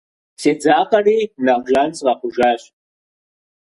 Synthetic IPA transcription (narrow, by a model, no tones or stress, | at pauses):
seːd͡zaːqʼɐriːnaʁʒant͡sʼʁaχʷʊʒaːɕ